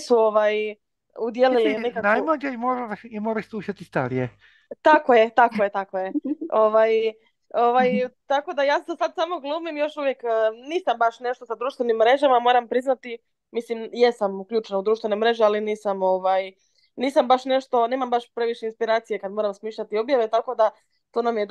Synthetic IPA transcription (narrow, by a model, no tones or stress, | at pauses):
suo̞ʋaj | ud̪je̞lilinnekaknajmlad͡ʒeimoɾaimoːɾasuʃat̪ist̪aɾije | t̪akoje̞t̪akojet̪akojeo̞ʋaj | o̞ʋajt̪ako̞d̪ajaːsesad̪saːmo̞ɡlˠuːmimjo̞ʃuʋje̞kːniːsambaʃne̞ʃt̪o̞sad̪ɾuːʃt̪ʋe̞nimːɾe̞ʒamamo̞ːɾampɾiznat̪i | mislimje̞samukʎuːt͡ʃenaud̪ɾuːʃt̪ʋe̞nemɾe̞ʒealiniːsamo̞ʋaj | niːsambaʃne̞ʃt̪o̞neːmambaʃpɾe̞ʋiʃeinspiɾaːt̪sije̞kad̪mo̞ɾamsmiːʃʎat̪io̞bjaʋe̞t̪ako̞d̪a | t̪o̞ːnamijed̪